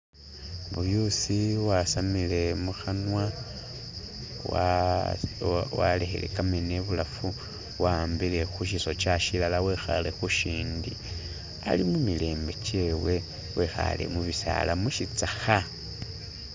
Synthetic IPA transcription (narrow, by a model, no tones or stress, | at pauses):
βujusiwasamile̞muxanwa | a | wa̰le̞xḛle̞̰kamene̞βulafu | wambile̞xuʃiso̞t͡ʃaʃilalawe̞xa̰le̞xuʃiːndi | a̰limumile̞ːmbe̞t͡ʃe̞we̞ | wexa̰le̞̰muβisa̰lamuʃit͡saxa